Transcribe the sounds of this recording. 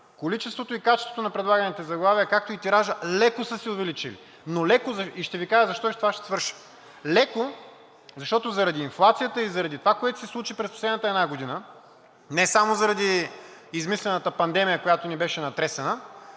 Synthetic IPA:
kolit͡ʃɛst̪vot̪oikat͡ʃɛst̪vo̥t̪onɐpɾɛd̪lˠaɡɐnit̪ɛzɐɡlˠaviəkak̚t̪oit̪iɾaʒəlɛkosəsiʊvɛlit͡ʃilḭ | nolɛkozɐiʃt̪ɛvikaʒəzɐʃt̪ɔt̪ovaʃt̪ɛ̥svɤɾʃi̥ | lɛko | zɐʃt̪ɔt̪ozɐɾɐd̪iːnflˠat̪sijət̪əizɐɾɐd̪it̪ovakoɛt̪o̥sɛslˠut͡ʃipɾɛspo̥slɛd̪nət̪ɛd̪naɡod̪inə | nɛsamozɐɾɐd̪iizmislɛnət̪əpɐnd̪ɛmijəkojat̪onibɛʃɛnɐt̪ɾɛsɛnə

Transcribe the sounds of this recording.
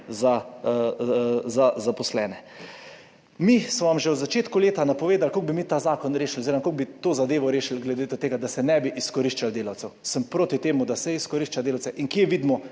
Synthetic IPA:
za | zazapɔslɛːnɛ | mismɔʋamʒɛwzat͡ʃeːt̪kuleːt̪anapɔʋeːd̪alkoɡ̚bimit̪aːzaːkɔnɾeːʃiloziːɾɔmakoɡ̚bit̪oːzad̪eːʋɔɾeːʃilɡlɛd̪eːt̪t̪eːɡad̪asɛnɛbiʔiskɔɾiʃt͡ʃald̪eːlawt̪sɛwsəmpɾoːt̪it̪eːmud̪asɛiskɔɾiʃt͡ʃad̪eːlawt̪t͡ssɛʔiŋkjeʋiːd̪mɔ

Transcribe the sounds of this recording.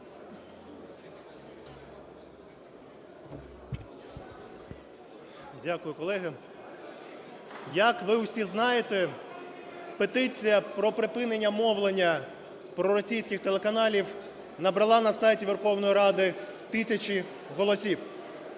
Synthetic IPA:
dʲakʊjʊkɔlˠɛɦɪ | jɐkʋɪwsʲiznɑjet̪e | pet̪ɪt͡sʲijɐpɾɔpɾɪpɪnenʲːɐmɔʋlˠenʲːɐ | pɾɔɾɔsʲijsʲkʲɪxt̪elˠekɐnɑlʲiw | nɐbɾɐlˠɑnɐsɑjtʲiʋerxɔwnɔjiɾɑd̪ɪt̪ɪsʲɐt͡ʃʲi | ɦɔlˠɔsʲiw

